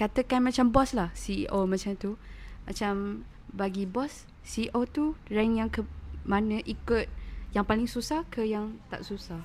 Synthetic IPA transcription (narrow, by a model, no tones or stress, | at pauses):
kat̪əkanmãt͡ʃambɔslahsḭʔomãt͡ʃamt̪uma̰t͡ʃam | baɡibɔsː | iʔot̪urɛŋjaŋkəmanə̃ʔikʊt̪̚jaŋpalɪŋsusahkəjaŋt̪a̰ʔsusah